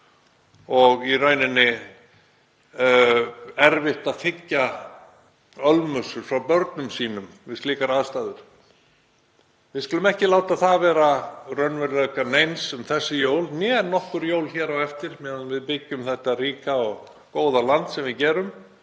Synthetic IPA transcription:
ɔɣirœːɥnɪnːɪ | ɛɾvɪht̪aðfɪcːa | œlmœsʏɾ̥fɾawpœɾt̪nʏmsiːnʏm | vɪðst̪liːkaɾaðst̪aːðʏɾ̥ | vɪðskʏlʏmɛhcɪlaːwt̪aðθavɛːɾarœnvɛɾlɛkanejnsʏmθɛsːɪjoːwlnjɛːnːɔhkʏɾjoːwlçɛːɾawɛft̪ɪɾ̥mɛvɪðpɪcːʏmθɛht̪ariːkaɔɣ | koːwðalant̪sɛmvɪðcɛːɾʏm

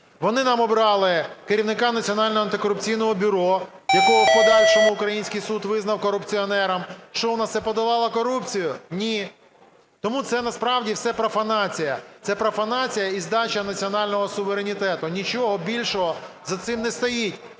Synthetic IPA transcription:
ʋɔnɪnɑmɔbɾɑlˠɪkeɾʲiwnɪkɑnɐt͡sʲiɔnɑlʲnɔɦɔɐnt̪ɪkɔɾʊp̚t͡sʲijnɔɦɔbʲʊɾɔ | jɐkɔɦɔpɔd̪ɑlʲʃɔmʊʊkɾɐjinʲsʲkɪjsud̪ʋɪznɐwkɔɾʊpt͡sʲiɔnɛɾɐmʃt͡ʃɔɔnat̪sɛpɔd̪ɐlˠɑlˠɐkɔɾupt͡sʲijʊnʲi | t̪ɔmut̪sɛnɐspɾɑwdʲiwsɛpɾɔfɐnɑt͡sʲijɐt̪sɛpɾɔfɐnɑt͡sʲijɐizd̪ɑt͡ʃɐnɐt͡sʲiɔnɑlʲnɔɦɔsʊʋeɾenʲit̪ɛt̪ʊnʲit͡ʃɔɦɔbʲilʲʃɔɦɔ | zɐt̪sɪmnɛst̪ɔjitʲ

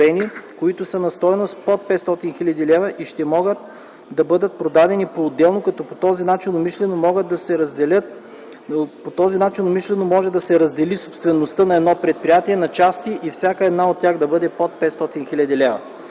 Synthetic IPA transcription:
ɛnikoit̪ʊsənɐst̪ɔɛnost̪pot̪̚pɛt̪st̪ɔt̪inxilʲɐd̪ilɛvɐʔiʃt̪ɛmɔɡət̪ | d̪ɐbɤd̪ət̪̚pɾod̪ad̪ɛnipoːd̪ːɛlˠnokɐt̪ɔpot̪ɔzinat͡ʃinomiʃlɛnomɔɡəd̪̚d̪ɐsɛɾɐzd̪ɛlʲət̪̚ | pot̪ɔzinat͡ʃinomiʃlɛnomɔʒɛd̪ɐsɛɾɐzd̪ɛlisopst̪vɛnost̪ənɐɛd̪nɔpɾɛt̪̚pɾijat̪iɛnɐt͡ʃast̪iʔifsʲjakəɛd̪naot̪ːʲaɣd̪ɐbɤd̪ɛpɔt̪̚pɛt̪st̪ɔt̪inxilʲɐd̪ilɛvɐ̰

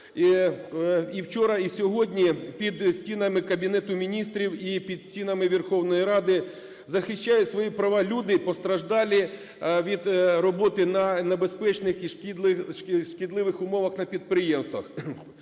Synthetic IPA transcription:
i | iwt͡ʃɔɾɐisʲɔɦɔdʲnʲipʲid̪sʲtʲinɐmɪkɐbʲinɛt̪ʊmʲinʲist̪ɾʲiwipʲid̪̥sʲinɐmɪʋʲirxɔwnɔjiɾɑd̪ɪ | zɐxɪʃʲt͡ʃːajʊsʋɔjipɾɐʋɑlʲud̪ɪpɔst̪ɾɐʒd̪ɑlʲi | ʋʲid̪rɔbɔt̪ɪnɐnebespɛt͡ʃnɪxiʃʲɪʃʃkʲɪd̪lˠɪʋɪxʊmɔʋɐxnɐpʲid̪̚pɾɪjɛmst̪ʋɐx

